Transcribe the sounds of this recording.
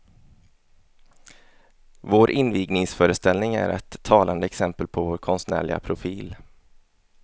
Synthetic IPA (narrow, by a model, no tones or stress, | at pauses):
voːɾʔɪnviːɡnɪŋsfœːɾəst̪ɛlnɪŋæ̰ɾɛ̰t̪ʰːɑːland̪əɛksɛmpəlpʰɔvoːɾkʰɔnst̪næ̰ːɭɪɡa̰pʰɾʊfiːl